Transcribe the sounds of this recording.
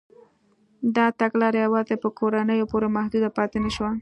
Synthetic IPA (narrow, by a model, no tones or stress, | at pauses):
d̪ɑt̪aɡlɑɾajawɑzepəkʰoɾanəjopoɾemahd̪ud̪apɑt̪enaʃwa